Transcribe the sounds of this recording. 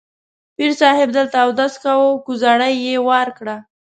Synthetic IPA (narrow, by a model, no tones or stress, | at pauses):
piɾsɑhɪb̚d̪əlt̪awd̪askawokuzaɽəjːewaɾkɽa